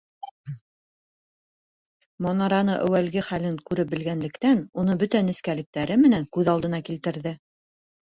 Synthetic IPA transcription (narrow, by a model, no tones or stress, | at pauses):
mɑnɑɾɑnɤʔæwælɡɘχælɘŋkʉɾɘp̚bɘ̆lɡænlɘ̆kt̪ænunɤbɵt̪ænɘ̆skælɘ̆k̚t̪æɾɘmɘ̆næŋkʉðɑlˠd̪ɤ̆nɑkilt̪ɘ̆ɾðɘ